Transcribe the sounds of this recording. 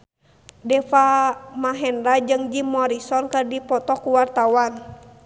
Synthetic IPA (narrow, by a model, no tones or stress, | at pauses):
dɛfamaɦɛndad͡ʒɨŋd͡ʒimɔɾisɔnkɨrdipɔt̪ɔkuwart̪awan